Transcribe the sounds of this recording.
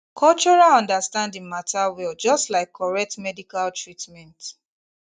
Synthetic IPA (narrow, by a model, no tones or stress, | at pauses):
kʰɔlt͡ʃɔɹalɔ̃ndastãndĩŋmatʰawild͡ʒɔstlaɪkʰːɔɹɛk̚tmɛdikaltɹitmɛ̃nt